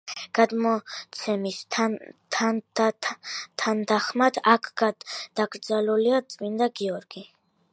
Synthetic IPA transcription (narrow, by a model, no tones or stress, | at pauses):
ɡ̥ad̪mɔt̪sʰɛmisʰt̪ʰa | t̪ʰand̪aχmat̪ʰakʰɡad̪̥aɡɾd̪zaluliat̪sʼmind̪aɡiɔɾɡi